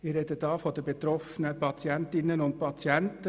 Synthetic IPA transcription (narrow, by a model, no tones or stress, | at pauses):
ɪɾɛd̪əd̥ɑːfɔd̪əbet̪ɾɔfənəpʰɑt͡sjæntɪnːənʊnt̚pʰɑt͡sjænt